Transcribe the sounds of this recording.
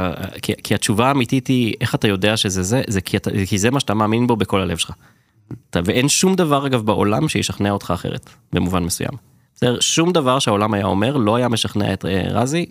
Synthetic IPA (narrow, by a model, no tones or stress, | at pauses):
aa̰kikʰiat͡ʃuvaːmititie̞χatajo̞deaʃezezezekʰiata̰kizemaʃatamaːminbo̞beko̞lale̞v̥elχa | taveʔe̞nʃumd̪avaʁaɡavbaʔo̞̰lamʃejeʃaχneaot̪χaːχeʁḛt | bemuvanmesuja̰m | seʃumd̪avaʁʃeao̞lamaja̰o̞̰me̞ʁlo̞ajame̞ʃaχnea̰ḛtḛʁa̰zi